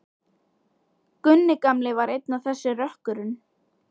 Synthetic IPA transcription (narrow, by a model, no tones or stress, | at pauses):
kʏnːɪkamlɪvaɾejt̪naθɛsːɪrœhkʏɾʏn